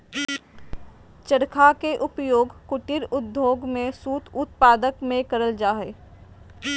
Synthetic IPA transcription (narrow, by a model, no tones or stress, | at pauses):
t͡ʃəɽkʰakeʔʊpjoːɡkʊʈɪɾʊd̪ʱjoːɡmẽsuːt̪ʰʊt̪̚paːd̪əkmẽkɐɾəld͡ʒaːɦeː